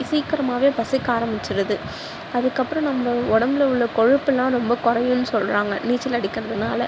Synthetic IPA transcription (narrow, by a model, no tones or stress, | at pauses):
ɪsijkːɐɾɐmaːʋeːpɐsɪkːaːɾɐmbɪt͡ʃːɪɾɐðɯ | ɐðɯkːɐpːɯɾɔ̃nɐmːɐɔɽɐmbɪlɐʊɭːɐkɔɻɪpːɛlːãːɾɔmbɐkɔɾɐjɯnːɯsɔlraːŋɡɐniːt͡ʃːɪlɐɽɪkːɪɾɐðɯnaːlɐ